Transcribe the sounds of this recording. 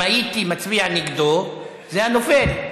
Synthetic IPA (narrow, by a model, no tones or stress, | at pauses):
ajitimat͡svianiɡd̪o | zeano̞fel